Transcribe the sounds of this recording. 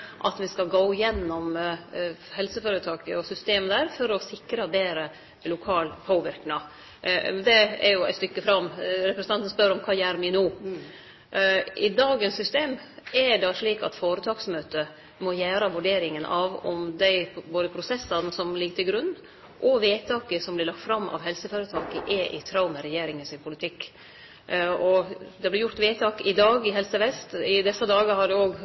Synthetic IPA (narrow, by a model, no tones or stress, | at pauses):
ʔɑt̪ʋɪskɑɡoːjɛnːɔm | hɛlsəføːɾət̪ʰɑːkə̰ɔsʏst̪eːməd̪æːɾfɔɾɔsɪkɾɑbeːɾə | lʊkʰɑːlpʰoːʋɪɾknɑ | d̪ɛɛ̰ɾjʊæ̰ɪt̪st̪ʏkːəfɾɑmːɾɛpɾəsn̩ɑnt̪ən̩spœɾɔmkʰɑːjæːɾmɪnuː | ʔɪd̪ɑːɡənsːʏst̪eːmɛɖɑʂɭiːkɑ̰t̪foːɾət̪ʰɑːksmøːt̪ə | mɔjæːɾɑʋʉɖeːɾɪŋənʔɑʋɔ̰md̪æɪboːd̪əpʰɾʊsɛsːɑnəsɔmlɪɡt̪ʰɪlɡɾʉnː | ʔɔʋeːt̪ʰɑːkəsɔmblɪlɑkt̪fɾɑmːɑ̰ʋɦɛlsəføːɾət̪ʰɑːkəʔɛʔɪt̪ʰɾɑʊməɾɛjeːɾɪŋənsɪnpʰʊlɪt̪ʰɪkː | ɔd̪ɛblɪɾjʊɾt̪ʋeːt̪ʰɑːkɪd̪ɑːɡɪɦɛlsəʋɛst̪ɪd̪ɛsːəd̪ɑːɡəhɑɖɛoːɡ